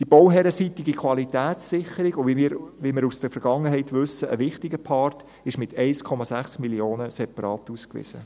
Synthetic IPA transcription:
d̥ib̥owɦɛɾəsitɪɡikʰʋɑlitæːsːɪχəɾiɡʊʋimɪɾʋimɪɾusd̥əfəɾɡ̥ɑŋːəɦɛɪtʋʏsəʔəʋɪχtiɡəpʰɑːrt | ɪʃmɪt̪ʰɛɪskʰɔmɑsæχsmiljoːnəsɛpɑɾɑːtuːskʋɪ̰sə̰

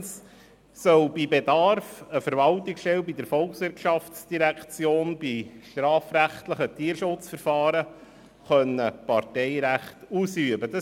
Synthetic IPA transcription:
s | sœwbibedɑɾfəfəɾvɑlt̪ɪksʃtɛlbid̪əɾfɔlksʋɪɾkʃɑftsd̥iɾækt͡sjoːnb̥iʃtɾɑːfɾæχtləχət̪iːɾʃʊt͡sfəɾfɑːɾə | χœnːəpɑrtɛɪɾæχtuːsyəbəd̥ɑ

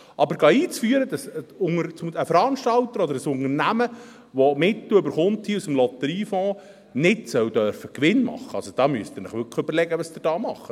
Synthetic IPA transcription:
ʔɑbəɾɡɑːiːt͡sfyəɾəd̥̪ɑsʊŋəɾt͡səfəɾɑnʃtɑlt̪əɾɔd̪əɾəsʊŋərnæmə | ʋɔmɪt̪lløbəɾχʊnt̪hiusəmlɔt̪əɾiːfɔ̃ː | nɪtsœwd̥œrfəkʋɪnmɑ̰χːəɑsod̥ɑːmyəst̪ɪɾnəχʋʏɾkχəøbəɾlɛɡəʋɑsd̥̪ɪɾd̥ɑːmɑχːə

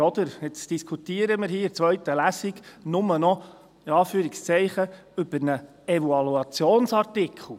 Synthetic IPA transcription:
ɔd̪əɾɪt͡sd̥iskʰut̪iːəɾəmɪɾhiːɪt͡sʋœɥt̪əlæsiɡnʊmənɔ | ɪɑːfyːɾikst͡sɛɪχə | ʏb̥əɾnə | ɛʋuɑluɑt͡sjoːnsɑrtɪkʰχl̩ˠ

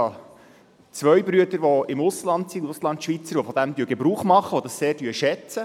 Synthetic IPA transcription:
ɑ | t͡sʋœɥbɾyədəɾʋɔɪmʊslɑnt̪siʊslɑnt̪ʃʋit͡səɾʋɔfɔd̥̪æmd̪yəɡ̥ebɾuːχmɑχːəʋɔd̥ɑsseːɾdyəʃɛt͡sə

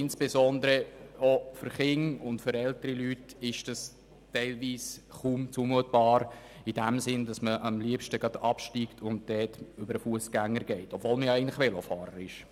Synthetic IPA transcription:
ɪnsb̥ezɔnd̪əɾəofʏɾχɪŋʊntfʏɾɛltəɾilytɪʃd̥ɑs | tɛɪlviːsχuːmt͡sumuət̚b̥ɑːɾ | id̥æmsɪndɑsməʔɑmliəpʃtəɡɑdɑpʃtiːktʰʊnt̚d̥ɛːtʏbəɾəfuəsɡ̥æŋːəɾɡɛɪtɔbvoːlməjɑæɛɪən̩tlɪʋelofɑːɾəɾɪʃ

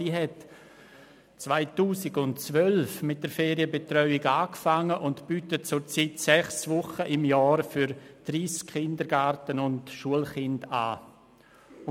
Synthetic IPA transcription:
iːɦɛt | t͡svaɪtuːsɪɡʊntt͡svœlfmɪt̚d̥əɾfeːɾiəbetɾœʏɪɡaːkfaŋːəʔʊntb̥yːtət̚t͡sʊɾt͡sitsɛχsvʊχəʔɪmjɔːɾfyɾd̥ɾiːskχɪndəɾɡaɾtənʊntʃuəlχɪnda̰ː

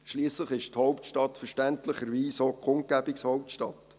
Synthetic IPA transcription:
ʃliːsləχɪʃthɔʊptʃtɑtfəɾʃtɛntləχəɾʋiːsokχʊnt̚ɡ̥æbɪkshɔʊp̚tʃtɑt

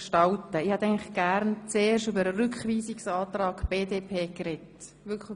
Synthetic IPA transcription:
ʃtɑltəɪːhɛt̪ɛɪŋləχɡ̥æɾnt͡seːɾʃʉbəɾərʏkχʋiːsɪksɑːtɾɑːkb̥eːdeːpʰeːkrɛt | ʋʏkʰ

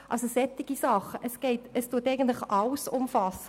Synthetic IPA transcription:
ʔɑlsosɛtɪɡ̥isɑχəʔəsɡ̥eɪtɛstuːtɛɪɡən̩tlɪχʔɑlsʊmfɑsə

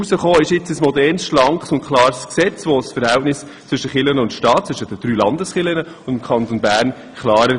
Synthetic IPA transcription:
usəχoːɪʃɪt͡səsmɔdɛːrnsʃlɑŋkχsʊnkʰlɑːɾsksɛt͡sʋosfəɾhɛltnɪs | t͡sʋʏʃəχɪlənəʊnt̪ʃtɑːt̚t͡sʋʏʃətəd̥ɾyːlɑnd̪əsχɪlənə | ʊndɪmkʰχɑnt̪onbæːɾn | kʰlɑːɾə

